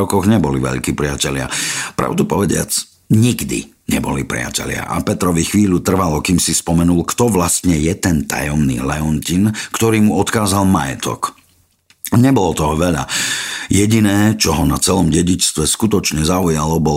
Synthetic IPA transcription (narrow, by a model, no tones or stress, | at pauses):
ɔkɔɣɲɛbɔliʋɛ̰ʎkiːpɾɪacɛʎɪa̰pɾa̰ʊd̪upɔʋɛɟɪa̰t͡s | ɲiɡd̪ḭ | ɲɛbɔlḭpɾɪa̰cɛ̰lɪa̰ʔa̰pɛt̪ɾɔʋixʋiːʎut̪r̩ʋalɔkiːmsispɔmɛnulkt̪ɔʋlast̪ɲɛjɛt̪ɛnt̪a̰jɔmnḭːlɛɔncinkt̪ɔɾiːmuɔt̪kaːzalmajɛ̰t̪ʰɔ̰k | ɲɛbɔlɔt̪ɔɦɔʋɛʎa̰jɛɟinɛːt͡ʃɔɦɔnat͡sɛlɔmɟɛɟit͡ʃst̪ʋɛskut̪ɔt͡ʃɲɛzaujalɔbɔl